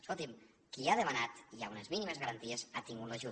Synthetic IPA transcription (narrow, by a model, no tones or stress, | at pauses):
solˠt̪im | kiaðemanat̪iaunəzminimezɣaɾant̪iəzat̪iŋɡut̪laʒu